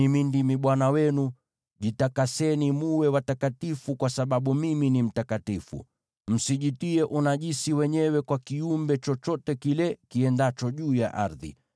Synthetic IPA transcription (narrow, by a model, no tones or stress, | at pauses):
imindimiɓwanawɛnu | ʄitakasɛnimuwɛwatakatifukwasaɓaɓumiminim̩takatifṵ | m̩siʄitiɛʔunaʄisiwɛɲɛwɛkwakiumbɛt͡ʃɔt͡ʃɔtɛkilɛkiɛndat͡ʃɔʄuːja̰ʔa̰ɾðḭ